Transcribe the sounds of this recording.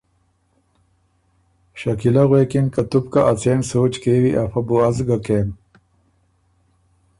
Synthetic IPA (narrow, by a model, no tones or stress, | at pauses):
ɕɐkilɐɣweːkinkɐt̪up̚kaʔɐt͡seːnsoːt͡ʃkeːwiʔafɐbuɐzɡakeːm